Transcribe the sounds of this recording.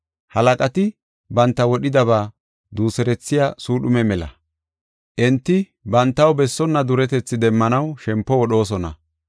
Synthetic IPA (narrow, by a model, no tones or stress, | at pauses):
hɐlɐkʼɐt̪ɪ | bɐnt̪ːɐwɔɗɪd̪ɐβaː | d̪uːsɛɾɛt͡sːɪjasuːɗʊmɛmɛlɐ̰ | ʔɛnt̪ːɪ | bɐnt̪ːɐwbɛsːɔnːɐd̪ʊɾɛt̪ɛt͡sːɪd̪ɛmːɐnɐwʃɛmpːɔwɔɗo̞ːs̬ɔnɐ̰